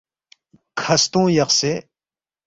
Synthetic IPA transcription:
kʰɐst̪õːjɐqse

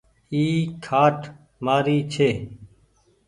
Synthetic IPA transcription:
iːkʰaːʈʰ | maːɾiːt͡ʃʰeː

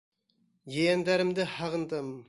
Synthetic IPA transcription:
jejænd̪æɾɘ̆md̪ɘhɑʁɤ̆nd̪ɤm

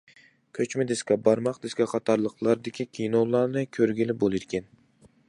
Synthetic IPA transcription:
kʲʰøt͡ʃmɪd̪eskʲɛbɑɾmɑqd̪ɪskʲɛqʰɑt̪ʰɑɾlˠəqlˠɑɾd̪ɪkʲʰikʲʰijnowlˠɑɾnɨkʲʰøɾɡʲilɪbolˠid̪ɪkʲʰɛn

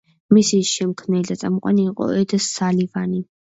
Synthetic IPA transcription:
misiʃɛmkʰmnɛd̪at̪sʼamqʼwa̰niːqʼɔ̰ɛd̪ɛsalivani

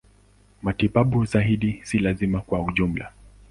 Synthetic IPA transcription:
matiɓaɓuzaiɗisilazimakwauʄum̩la̰

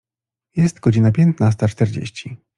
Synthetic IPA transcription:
jɛst̪ɡɔd͡ʑinapʲjɛnt̪nast̪at͡ʂt̪ɛɾd͡ʑḛɕt͡ɕi

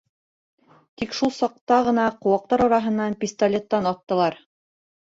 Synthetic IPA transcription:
t̪ikʃulˠsɑq̚t̪ɑʁɤ̆nɑqŏwɑq̚t̪ɑɾɑɾɑɦɤ̆nːɑnpʲist̪ɐlʲet̪ːɑnɑt̪ːɤ̆lˠɑɾ

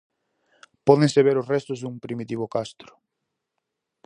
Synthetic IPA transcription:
pɔðẽŋseβ̞eɾʊsrɛst̪ʊzðuŋpɾimit̪iβ̞ʊkast̪ɾʊ̥

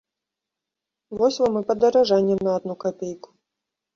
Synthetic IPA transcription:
vɔsʲvɔmɨpɐd̪ɐɾaʐanʲːɛmnɐad̪nukapʲejku̥

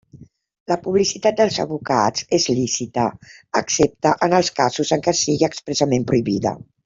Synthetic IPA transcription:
ləpuβlisit̪at̪̚d̪əlˠzə̰βuka̰d͡zezlisit̪ə̰əksep̚t̪əʔənəlˠskazuzəŋkɛsiɣiəkspɾəsəmempɾuiβiðə̰

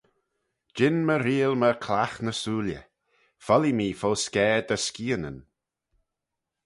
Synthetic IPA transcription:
d͡ʒɪnməɾiːəlməɾkʰlaxnəsuːljə̰ | fɔlimiːfoːskɛːd̪əskiːənə̰n

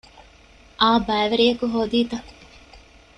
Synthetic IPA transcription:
ʔaːbɐːʋɐɾiɐkuɦoːd̪iːt̪ɐ

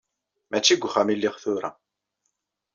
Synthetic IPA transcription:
mæt͡ʃːiɡʷχæmilːɪʁθʊɾa̰

